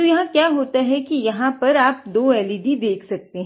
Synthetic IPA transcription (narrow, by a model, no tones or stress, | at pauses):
ojɐɦãkjaːɦoːt̪aɦɛkijɐɦãpɐɾaːp̚d̪oːɛːliɖid̪eːkʰsɐk̚t̪eɦɛ̃